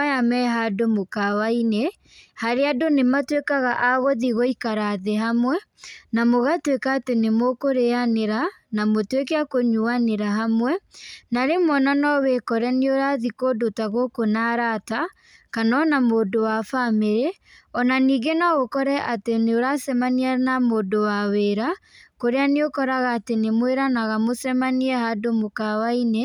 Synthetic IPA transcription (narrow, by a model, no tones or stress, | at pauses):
ajamɛɦadomokawaine | haɾeadonematwekaɣaʔaɣoðiɣoikaɾaðeɦamwɛnamoɣatwekaːtenemokoɾeaneɾanamotwekɛakoɲuaneɾaɦamwɛnaɾemɔnanɔwekɔɾɛneoɾaðikodotaɣokonaɾata | kanɔnamoːdowafameɾe | ɔnaniːɡenaɣokɔɾɛʔateneoɾasɛmanianamodowaweɾakoɾeaneokɔɾaɣaːtenemweɾanaɣamosɛmaniɛhadomokawaine